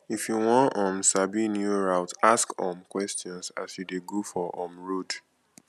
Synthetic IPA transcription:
ifjuwɔ̃nɔ̃msabinjuɹaʊtaskɔ̃mkwɛstiɔ̃nsa̰sjudeɡofɔʔɔ̃mɹod

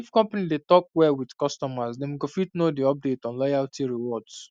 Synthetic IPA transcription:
ifkɔ̃mpanidetɔk̚wɛlwidkɔstɔmasdɛ̃nwiɡofitnodiɔp̚detɔ̃nlajaltʰiɹiwɔds

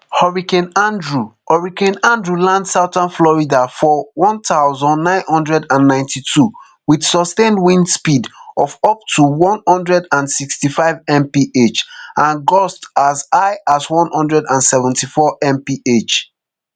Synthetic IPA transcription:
hɔɹikɛ̃nãndɹuhɔɹikɛ̃nãndɹulãndsaʊtãnflɔɹidafɔwɔ̃ntaʊzɔ̃nːãɪ̃nhɔ̃ndɹɛdãnːãɪ̃ntʰitʰu | widsɔstẽndwĩnspidɔfɔp̚tʰuwɔ̃nhɔ̃ndɹɛdãnsikstifaɪvɛ̃mpiʔet͡ʃʔãnɡɔstasaɪʔaswɔ̃nhɔ̃ndɹɛdãnsɛvɛ̃ntifɔʔɛ̃mpiʔet͡ʃ

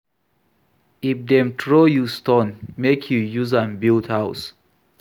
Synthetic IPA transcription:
ifdɛ̃mtʰɹojustõnmekʰjujuzãnbildhaʊs

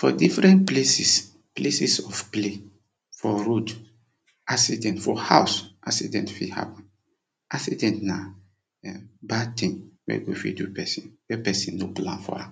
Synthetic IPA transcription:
fɔdifɹɛ̃ntplesis | plesisɔfple | fɔɾod | ʔaksidɛ̃ntfɔhaʊsʔaksidɛ̃ntfiha̰pɔ̃n | ʔaksidɛ̃ntna | batĩŋwɛ̰ɡifḭdupɛsĩnwɛpɛsĩnːoplã̰nfɔ̰a

